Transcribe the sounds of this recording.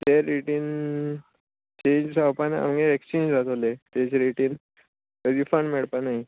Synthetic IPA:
t̪eɾiʈiːn | t͡ɕẽɲd͡ʑsawpana̰mɡeekst͡ɕẽɲd͡ʑd͡zat̪olet̪ed͡ʑeɾiʈiːn | kəd̪iːfəɳɖmeɭpanaɦi

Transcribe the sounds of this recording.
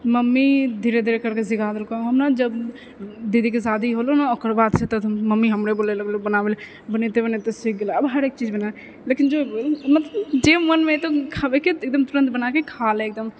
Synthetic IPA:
məmːid̪ʱiːɾed̪ʱiɾekəɾkesɪɡʱad̪ɾkaɦɐmnad͡ʒəb | d̪id̪ʱikesaːd̪ʱiɦolonaokəɾbaːd̪set̪ɔməmːiɦəmɾeboːlelɡlobənaʋel | bənet̪ebənet̪esɪk̚ɡelaəbɦəɾek̚t͡ʃiːd͡ʒbənal | leːkɪnd͡ʒoːibolmət̪ld͡ʒemənmẽt̪okʰabekieːk̚d̪əmt̪ʊɾə̃nt̪bənakekʰalẽːk̚d̪əm

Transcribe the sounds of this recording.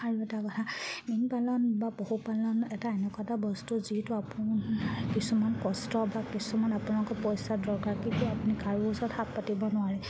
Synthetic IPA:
aɹuɛtakɔtʰaminpalɔnbabohupalɔnɛtaɛnɛkatabɔstuzitʊapʊnkisumankɔstɔbakisumanapunalɔkɔpɔjsadɔɹkaɹkintuapunikaɹuusɔthapːatibɔnʊaɹɛ

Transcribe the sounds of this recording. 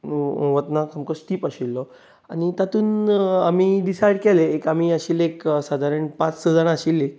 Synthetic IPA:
ʋət̪nakamkəsʈiːpaɕilːɔ | a̰ñit̪at̪uːnamiːɖisajɽkɛleːkam̤iːaɕiːleksad̪ʱaɾəɳpat͡ssəd͡zaɽaɕiːle

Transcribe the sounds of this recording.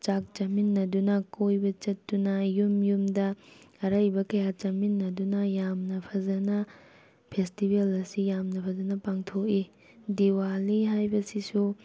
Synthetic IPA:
t͡ʃak̚t͡ʃɐminːɐdunɐkojbɐt͡ʃɐtːunɐjumjumdɐɐɾɐjbɐkɐjat͡ʃɐminːɐdunɐjamnɐpʰɐzɐnɐ | pʰestibʱelɐsijamnɐpʰɐzɐnɐpaŋtʰoki | diwaliɦajbɐsisu

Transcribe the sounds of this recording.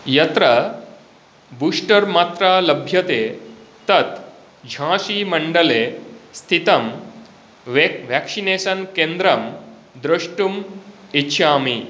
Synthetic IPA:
jɐt̪ɾɐ | buːʂʈɐɾmaːt̪ɾaːlɐbʱjɐt̪eːt̪ɐt̪ | d͡ʒʱãːʃiːmɐɳɖɐleːst̪ʰit̪ɐm | ʋʋæksineːsɐnkeːnd̪ɾɐm | d̪ɾɐʂʈumitːɕʰaːmi

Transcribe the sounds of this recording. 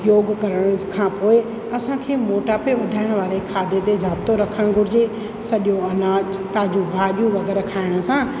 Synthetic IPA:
joːɡkɐɾəɽ̃kʰãpoːe | ɐsãkʰeːmoːʈapeʋɐd̪ʱaːɪɽ̃ʋaːɾekʰaːd̪ʱet̪ed͡ʑʱaːb̚t̪oɾɐkʰəɽ̃ɡʱʊɾɪd͡ʑe | sɐʄoɐnaːd͡ʑ | t̪aːd͡ʑũbʱaːɗijũʋɐɡɛːɾkʰaːɪɽ̃ə̆sãː

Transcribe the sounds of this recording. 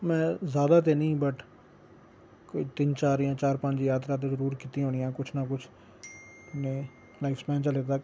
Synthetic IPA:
mɛ̃ːzaːd̪aːt̪eːnəĩːbəʈ | koiːt̪ɪnt͡ʃaːɾɪjãːt͡ʃaːɾpəɲd͡ʒjaːt̪ɾaːt̪̬eːzəɾuːɾkiːt̪ĩɦoːɽ̃ɪjãːkʊt͡ʃʰnaːkʊt͡ʃʰ | neː | laːɪfspɛ̃ːnt͡ʃəlet̪aːk

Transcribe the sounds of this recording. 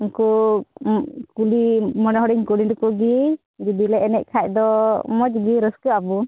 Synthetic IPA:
inku | kulimɔnɔɦɔɾiɲkuliɖukuɡi | d͡ʒid̪ilɛɛnɛʔ̚kʰac̚ˀd̪ɔmɔd͡ʒɡiɾəskɯabu

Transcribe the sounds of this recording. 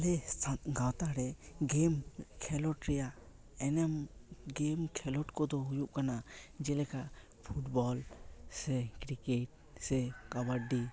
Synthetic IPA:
lɛst̪ʰanɡawt̪aɾɛɡemkʰɛlɔʈɾɛjaʔ | ɛnɛmɡemkʰɛlɔʈkɔd̪ɔɦujuʔkanad͡ʒɛlɛkaʔ | pʰuʈbɔlsɛkɾikɛʈ̚ | sɛkabaɖi

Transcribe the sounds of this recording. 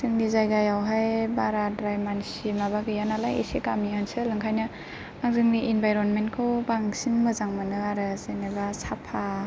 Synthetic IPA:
zɯŋnizajɡajawɦajbaɾadɾajmansimaβaɡɯjanalajḛsekamiɔnsɯlɯŋkʰajnɯ | aŋzɯŋniʔinbajɾɔnmenkʰobaŋsinmɯzaŋmanɯaɾɯzenebasapʰa

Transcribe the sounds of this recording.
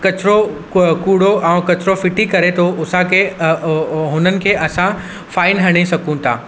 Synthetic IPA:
kɐt͡ɕɾo | kuːɽoʔɛ̃ːkɐt͡ɕɾofɪʈikɐɾet̪ʰoʔʊsãkʰeː | ɦʊnənɪ̆kʰeːʔɐsã | faːɪnɦɐɽ̃isɐkũt̪ʰa̰ː

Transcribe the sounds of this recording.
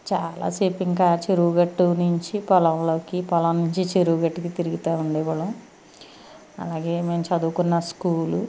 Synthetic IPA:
t͡ʃaːla̰ːsiːpiŋkaːt͡ʃeɾuːɡɐʈːunuɲt͡ʃipɔlɐmlo̞ːkipɐlɐmnuɲt͡ʃit͡ʃeɾuːɡɐʈːukit̪iɾiɡit̪aːuɳɖɛːʋɐɽɐm | ɐ̰laːɡe̞ːme̞ːmt͡ʃɐd̪ukunːɐskuːlu

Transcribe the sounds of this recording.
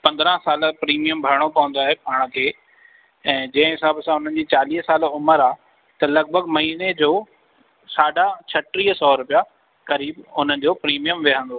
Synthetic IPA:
pɐ̃nd̪ɾə̃saːl̆pɾiːmijəmbʱɐɾɽ̃opɐʋə̃nd̪oaːɦepaːɽ̃kʰeː | ɛ̃ːd͡ʑɐ̃ɦɪ̃ɦɪsaːbsãʊn̤ən̆d͡ʑiːt͡ɕaːliːɦsaːlʊməɾaː | t̪ɐlɐɡ̚bʱəɡmɐɦiːned͡ʑoː | saːɖat͡ɕʰɐʈɾiːɦsɔːɾʊpija | kɐɾiːbʊn̤ən̆d͡ʑoːpɾiːmijəmʋɪɦə̃nd̪oː

